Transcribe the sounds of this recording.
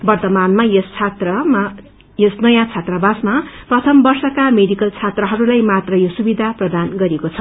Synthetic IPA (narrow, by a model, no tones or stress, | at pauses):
bʌrt̪ʌmanmajʌst͡sʰat̪rʌm | jʌsnʌjãt͡sʰat̪rabasmaprʌt̪ʰʌmbʌrsʌkameɖikʌlt͡sʰat̪rʌɦʌɾulajmat̪rʌjosubid̪ʱaprʌd̪anɡʌɾekot͡sʰʌ